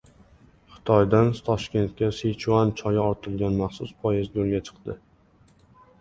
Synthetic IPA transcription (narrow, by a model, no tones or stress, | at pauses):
χɨ̥t̪ʰɒjd̪ant̪ʰɒʃkʲe̞nt̪̚kʲaset͡ʃʰuant͡ʃʰɒjaɒɾt̪ʰɪlɡʲanmaχsʊspʰɒjɪzd͡ʒolˠɡʲat͡ʃʰɨ̥qd̪̥ɪ